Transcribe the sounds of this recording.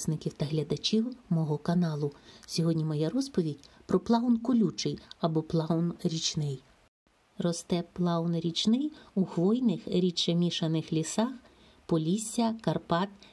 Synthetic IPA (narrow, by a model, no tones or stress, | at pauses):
snɪkʲiwt̪ɐɦlʲɐd̪ɐt͡ʃʲiwmɔɦɔkɐnɑlˠʊsʲɔɦɔdʲnʲimɔjɛɾɔspɔʋʲidʲpɾɔplˠɑɔnkʊlʲut͡ʃɪjɐbɔplˠɑɔnɾʲit͡ʃnɪj | rɔst̪ɛplˠɑɔnɾʲit͡ʃnɪjuxʋɔjnɪxɾʲit͡ʃɐmʲiʃɐnɪxlʲisɑx | pɔlʲisʲːɐkɐrpɑt̪